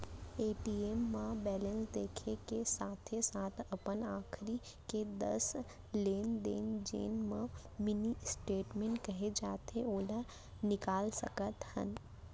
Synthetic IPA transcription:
eːʈiemːãbɛːlə̃nsd̪eːkʰekesaːt̪ʰesaːt̪ʰɐpənaːkʰɾi | ked̪ə̰s | leːnd̪ḛːnd͡ʒḛːnmã | mɪnisʈeːʈmẽːɳʈkɐɦed͡ʒaːt̪eoːla | nɪkaːlsɐ̰kət̪hə̰̃n

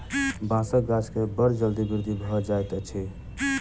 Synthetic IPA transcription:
bãsəkɡad͡ʒkebəɾd͡ʒəld̪ibiɾd̪ʱibʱɔd͡ʒajt̪t͡ʃʰi

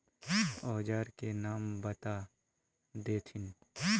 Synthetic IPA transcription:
ɔːd͡ʒaːɾkenaːmbɐt̪a | d̪eːt̪ʰɪn

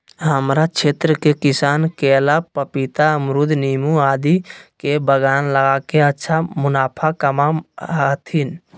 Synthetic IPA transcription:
ɦəmɾat͡ʃʰeːt̪ɾəkekɪsaːnkelapəpit̪aəmɾud̪ʱniːmuaːd̪ikebəɡaːnləɡakeətːʃʰamʊnaːpʰakəmat̪ʰin

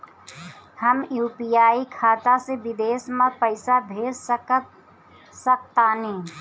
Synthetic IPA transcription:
həmjuːpijaːikʰat̪asebid̪esmapəɪsabʱeɾsəkə | sək̚t̪ani

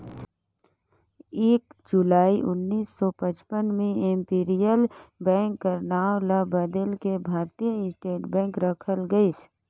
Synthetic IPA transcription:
eːkd͡ʒʊlaːiʔʊnːiːsːɔpət͡ʃpənmẽẽmpiːɾijəlbɛ̃ːŋkːəɾnaːwlabəd̪əlkebʱaːɾt̪ijəɪsʈeːʈbɛ̃ːŋkɾəkʰəlɡəis

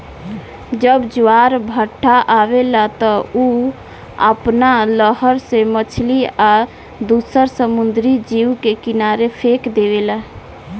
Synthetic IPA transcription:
d͡ʒəbd͡ʒuwaɾbʱəʈʰːaʔaβelat̪ɔu | ə̰pnaləɦəɾsemət͡ʃʰlia | d̪usəɾsəmund̪ɾid͡ʒiwkekinaɾepʰekd̪ebela

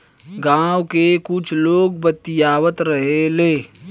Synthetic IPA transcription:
ɡãːwkekʊt͡ʃʰloːɡbət̪ɪjaːwət̪ɾəɦeleː

